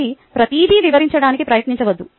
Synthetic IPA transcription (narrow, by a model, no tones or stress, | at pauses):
ipɾɐt̪iːd̪ʱiːʋiʋɐɾiɲt͡ʃɐɽaːnikipɾɐjɐt̪niɲt͡ʃɐʋɐd̪ːu